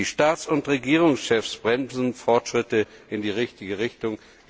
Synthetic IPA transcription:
iʃtaːtsʊntʁeɡiːʁʊŋsʃɛfsb̥ʁɛmzn̩fɔɐtʃʁ̥ɪtəɪndiːʁɪçtɪɡəʁɪçtʊŋ

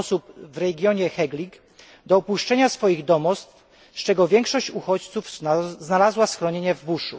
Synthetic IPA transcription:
supvɾɛɡʲjɔɲɛxɛɡlʲiɡ | d̪ɔɔpuʂt͡ʂɛɲasfɔjiɣd̪ɔmɔst̪f | st͡ʂɛɡɔvʲjɛŋkʂɔɕt͡ɕuxɔt͡ɕt̪sufznalazwasxɾɔɲeɲɛvːuʂṵ

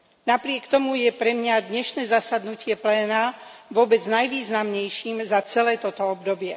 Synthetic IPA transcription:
napɾɪɛkt̪ɔmujɛpɾɛmɲad̪ɲɛʃnɛːzasad̪nucɪɛplɛːnaʋʊɔbɛd͡znajʋiːznamɲɛjʃiːmzat͡sɛlɛːt̪ɔt̪ɔɔb̚d̪ɔbɪɛ

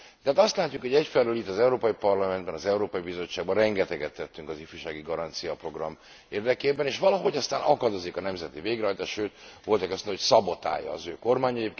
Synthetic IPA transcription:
t̪ɛɦaːt̪ɒst̪laːcːukho̞ɟɛcfɛløːlit̪ːɒzɛuɾoːpɒjipɒrlɒmɛnd̪bɛnɒzɛuɾoːpɒjibizo̞t͡ʃːaːɡ̚bɒrɛŋɡɛt̪ɛɡɛt̪ːɛt̪ːyŋkɒzifyʃaːɡiɡɒɾɒnt̪sijɒpro̞ɡrɒm | eːrd̪ɛkeːbɛneːʃʋɒlɒɦo̞ɟɒst̪aːnɒkɒd̪o̞zikɒnɛmzɛt̪iveːɡɾɛɦɒjt̪aːʃʃøːt̪ʋo̞lt̪ɒkɛsnocsɒbot̪a̰ːjɒ̰ːzøːko̞rmaːɲɛjep

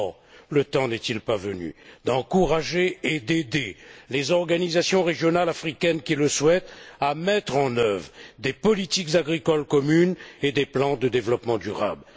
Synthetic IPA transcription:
lət̪ɑ̃nɛt̪ilpavəny̰d̪ɑ̃kuʁaʒeed̪ed̪elezɔʁɡanizasjɔ̃ʁeʒjɔnalafχikʲɛnkʲiləswɛt̪amɛt̪χɑ̃nœvʁd̪epɔlit̪ikzaɡʁikɔlkɔmyned̪eplɑ̃d̪əd̪evlɔpmɑ̃d̪yʁa̰bl

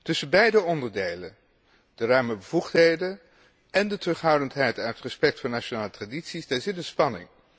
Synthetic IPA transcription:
tɵsənbɛjdəɔndəɹdejlən | d̥ərœɥməbəvuχtɦejdən | ɛndətrɵχɦʌwdəntɦɛjtaətrəspɛk̚tfʊːɹnat͡ʃonaːlətraditsisdaːɹzɪtənspɑnɪ̰ŋ

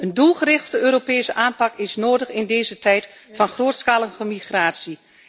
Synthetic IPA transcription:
əndulˠχərɪχttəøːɾopeːsəʔaːnpɑkɪsnoːdəχɪndeːzətɛjt | fɑnχroːtskalˠənχəmiχraːtsi

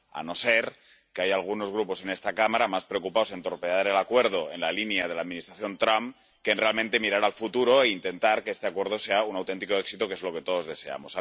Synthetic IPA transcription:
a̰no̞se̞ɾ | keajalɣ̞uno̞zɣ̞ɾupo̞se̞ne̞st̪akamaɾamaspɾe̞okupaose̞nt̪o̞ɾpeaɾe̞lakwe̞ɾð̞o̞e̞nlalinjað̞elaðminist̪ɾaθjo̞nt̪ɾamp | kenre̞alment̪e̞miɾaɾalfut̪uɾo̞eint̪e̞nt̪aɾkeest̪e̞akwe̞ɾð̞o̞se̞aunawt̪e̞nt̪iko̞eksit̪okee̞zlo̞ke̞t̪o̞ð̞o̞zðe̞se̞a̰mo̞sa

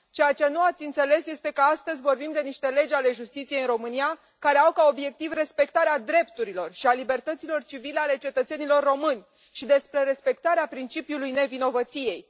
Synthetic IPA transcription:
t͡ʃejat͡ʃe̞nuat̪sʲɨnt̪se̞le̞sje̞st̪e̞kəast̪əzʲvo̞rbimd̪e̞niʃt̪e̞le̞d͡ʒale̞ʒust̪it̪sijeiɨnro̞mɨnija | kaɾe̞awkao̞bje̞k̚t̪ivre̞spe̞kt̪aɾead̪ɾe̞pt̪uɾilo̞rʃialibe̞rt̪ət̪silo̞rt͡ʃivileale̞t͡ʃe̞t̪ət̪se̞nilo̞rːo̞mɨnʲ | ʃid̪e̞spɾe̞ɾe̞spe̞k̚t̪aɾeapɾint͡ʃipjulujne̞vino̞vət̪sije̞j

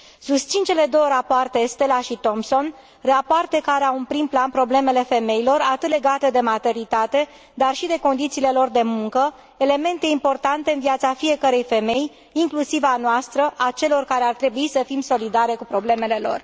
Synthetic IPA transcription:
sust̪sint͡ʃe̞le̞d̪o̞wəɾapoart̪e̞st̪e̞laʃit̪o̞mso̞n | rapoart̪e̞kaɾeawɨnpɾimplanpɾo̞ble̞me̞le̞fe̞me̞ilo̞rat̪ɨt̪le̞ɡat̪əd̪e̞mat̪e̞nit̪at̪e̞ | d̪arʃid̪e̞ko̞nd̪it̪siːle̞lo̞rd̪e̞muŋkə | ele̞me̞nt̪e̞impo̞rt̪ant̪e̞ɨnviat̪safije̞kəɾe̞jfe̞me̞j | iŋklusivanoast̪ɾəʔat͡ʃe̞lo̞rkaɾe̞art̪ɾe̞buisəfimso̞lid̪aɾe̞kupɾo̞ble̞me̞le̞lo̞̰r

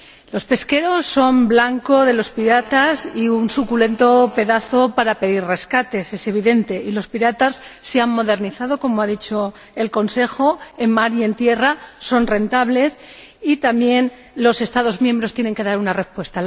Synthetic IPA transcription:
lo̞spe̞ske̞ɾo̞sːo̞mblaŋko̞ðe̞lo̞spiɾat̪asiunsukule̞nt̪o̞pe̞ðaθo̞paɾape̞ðirre̞skat̪e̞se̞se̞β̞iðe̞nt̪e̞ʔilo̞spiɾat̪asːe̞ammo̞ð̞e̞ɾniθað̞o̞ko̞moaðit͡ʃo̞ | e̞lko̞nse̞xo̞e̞mmaɾje̞nt̪je̞raso̞nre̞nt̪aβle̞sit̪amje̞n | lo̞se̞st̪aðo̞zmjẽ̞mbɾo̞st̪jene̞ŋke̞ðaɾunare̞spwe̞st̪a

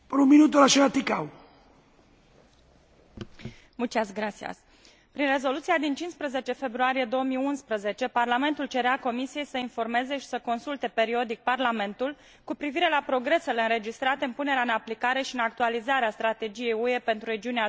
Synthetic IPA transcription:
pəɾuminut̪̬olaʃeat̪ikaw | mult͡ʃiasɡɾat̪sia̰s | pɾinre̞zo̞lut̪siad̪int͡ʃinspɾəze̞t͡ʃe̞fe̞bɾuaɾije̞d̪o̞wəmiunspɾəze̞t͡ʃe̞parlame̞nt̪ult͡ʃe̞ɾeako̞misije̞jsəinfo̞rme̞ze̞ʃi̥səko̞nsult̪e̞pe̞ɾio̞d̪ik̚parlame̞nt̪ul | kupɾiviɾe̞lapɾo̞ɡɾe̞se̞le̞ɨnɾe̞d͡ʒist̪ɾat̪e̞ɨnpune̞ɾeaɨnaplikaɾe̞ʃiɨnak̚t̪ualizaɾeast̪ɾat̪e̞d͡ʒije̞jue̞pe̞nt̪ɾuɾe̞d͡ʒiunea

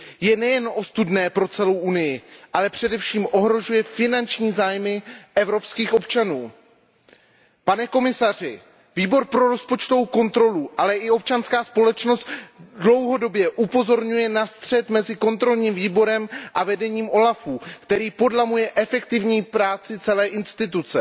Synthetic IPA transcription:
jɛnɛjɛnʔo̞st̪udnɛːpɾo̞t͡sɛlo̞wʔunɪjɪʔalɛpr̝̥ɛdɛfʃiːmʔo̞ɦɾo̞ʒujɛfɪnant͡ʃɲiːzaːjmɪʔɛvɾo̞pskiːxʔo̞pt͡ʃanuː | panɛko̞mɪsar̝ɪ̰ | viːbo̞ɾpɾo̞ɾo̞spo̞t͡ʃt̪ovowko̞nt̪ɾo̞luʔalɛʔɪo̞p̚t͡ʃanskaːspo̞lɛt͡ʃno̞st̪dlo̞wɦo̞do̞bjɛʔupo̞zo̞ɾɲujɛnast̪r̝̥ɛt̪mɛzɪko̞nt̪ɾo̞lɲiːmviːbo̞ɾɛmʔavɛdɛɲiːmʔo̞lafuːkt̪ɛɾiːpo̞dlamujɛʔɛfɛkt̪ɪvɲiːpɾaːt͡sɪt͡sɛlɛːʔɪnst̪ɪt̪̬ut͡sɛ

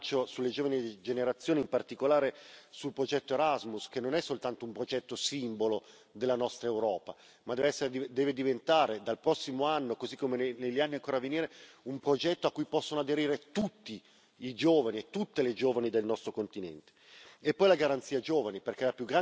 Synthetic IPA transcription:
t͡ʃːosulːed͡ʒoːvanid͡ʒeneɾat̪sːjoːniimpart̪ikolaːɾesulpɾod͡ʒɛt̪ːoeɾazmusk̟enːonɛsːolt̪ant̪oumpɾod͡ʒɛt̪ːosimbolo | d̪elːanɔst̪ɾaewɾɔːpa | mad̪ɛːvɛsːeɾeid̪ɛːved̪ivent̪aːɾed̪alpɾɔsːimoanːokozikːomeneneʎːanːiaŋkoːɾaveniːɾe | umpɾod͡ʒɛt̪ːoakːujpɔsːonoad̪eɾiːɾet̪ut̪ːi | id͡ʒoːvaniet̪ːut̪ːeled͡ʒoːvanid̪elnɔst̪ɾokont̪inɛ̰nt̪e̥epːɔjlaɡaɾant̪siːad͡ʒoːvaniperkɛlapjuɡɾa

